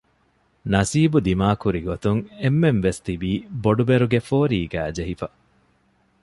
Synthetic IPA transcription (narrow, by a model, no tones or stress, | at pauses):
nɐsiːbud̪imaːkuɾiɡot̪uŋemːenʋest̪ibiːboɖubeɾuɡefoːɾiːɡæːd͡ʒeɦifɐ